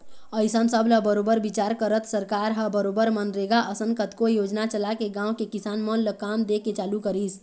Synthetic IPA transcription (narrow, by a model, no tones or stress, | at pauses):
əɪsəmsəbləbəɾobəɾbit͡ʃaɾkəɾət̪səɾkaɾɦəbəɾobəɾmənɾeɡaʔəsənkət̪kojoːd͡ʒnat͡ʃəlakeɡãːwkekisaːnmənləkamd̪eket͡ʃaːlukəɾis